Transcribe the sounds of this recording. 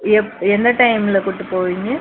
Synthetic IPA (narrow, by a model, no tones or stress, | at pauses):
ɛɛnd̪ɐʈɐɪmɪlɐkʊʈːɯpoːʋiŋɡɯ